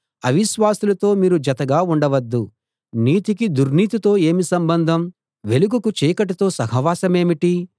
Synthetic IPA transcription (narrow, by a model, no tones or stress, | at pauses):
ɐʋiʃʋaːsulɐt̪o̞ːmiːɾud͡ʒɐt̪ɐɡaːuɳɖɐʋɐd̪ːu | niːt̪ikid̪uɾniːt̪it̪o̞ːe̞ːmisɐmbɐnd̪ʱɐm | ʋe̞luɡukut͡ʃiːkɐʈ̬ɐt̪o̞ːsɐɦɐʋaːsɐmeːmiʈi